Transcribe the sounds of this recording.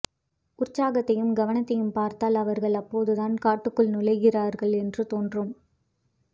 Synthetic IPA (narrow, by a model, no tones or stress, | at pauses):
ʔʊɾt͡ʃaːɣɐt̪ːɐjɯmɡɐʋɐnɐt̪ːɐjɯmpaːɾt̪aːlɐʋɐɾɣɐɭɐpːoːðɯðaːnkaːʈːɯkːɯɭnɪlɐɪɣɪraːɾɣɐɭɛndrɯt̪oːndrɯm